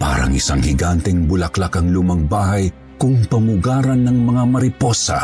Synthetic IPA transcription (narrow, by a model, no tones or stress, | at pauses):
pa̰ːɾɐ̰ŋɪsaŋhɪɡant̪ɛŋbʊlɐklakɐŋlumɐŋbaːhɐj | kʊŋpɐmʊɡaːɾɐnːɐŋmɐŋamɐɾɪpo̞sɐ̰